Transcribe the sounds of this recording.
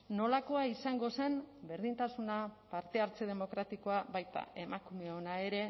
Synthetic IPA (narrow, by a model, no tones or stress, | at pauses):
no̞lako̞aisaŋɡo̞se̞mbe̞ɾðint̪asunapaɾt̪e̞aɾt͡se̞ð̞e̞mo̞kɾat̪iko̞aβajt̪a̰ʔe̞makume̞o̞nae̞ɾe̞